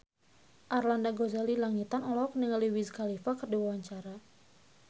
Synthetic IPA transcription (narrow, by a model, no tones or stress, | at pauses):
ʔarlandaɡozalilaŋit̪anɔlɔk̚niŋaliwizkalifakərdiawaɲt͡ʃaɾa